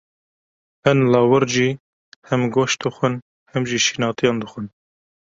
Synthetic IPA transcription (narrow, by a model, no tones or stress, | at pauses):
hɛnlɑːwɨɾʒiː | hɛmɡoːʃd̪ɨxʷɨn | hɛmʒiːʃiːnɑːt̪ijɑːnd̪ɨxʷɨn